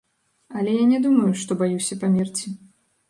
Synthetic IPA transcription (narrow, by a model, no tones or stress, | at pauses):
ɐlʲɛjanʲɛd̪umɐjuʂt̪ɔbajusʲɐpamʲirt͡sʲi